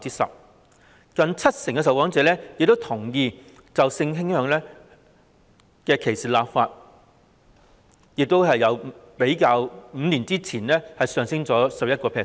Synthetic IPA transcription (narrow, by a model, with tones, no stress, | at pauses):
t͡siː˥sɐ̰˨p̚ | kɐ˧ŋt͡sʰɐ˥t̚sɪ˨˩ŋkɛ˧s̬ɐ˨wkɔː˨˥ŋt͡sɛː˨˥lɛː˥jɪ˨k̚t̪o˥wt̪ʰʊ˨˩ŋjiː˧ | t͡sɐ˨wsɪ˧ŋɦɪ˥ŋhœː˨˧ŋlɛː˥ | kɛː˧kʰe˨˩jsiː˨˩laː˨p̚faː˧t̚ | jɪ˨k̚t̪o˥wɦɐ˨jɐ˨˧wpe˨˥jkaː˧wm̩ː˨˧niː˨˩nt͡siː˥t͡sʰiː˨˩nlɛː˥hɐ˨jsœː˨˧ŋsɪ˥ŋt͡sɔː˨˥sɐ˨p̚jɐ˥t̚kɔː˧pʰɛː˧˥